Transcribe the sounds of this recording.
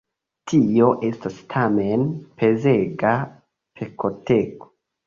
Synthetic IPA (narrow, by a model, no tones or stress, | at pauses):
tʰio̞ʔe̞stastʰamenpʰe̞zeɡa | pʰekoteko̥